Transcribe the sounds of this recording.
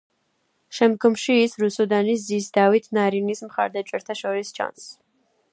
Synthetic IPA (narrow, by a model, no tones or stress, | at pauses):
ʃɛmd̪̚ɡɔmʃiːsɾusɔd̪aniszisd̪avit̪ʰnaɾinismχa̰ɾd̪at͡ʃʼɛɾt̪ʰaʃɔɾist͡ʃʰa̰ns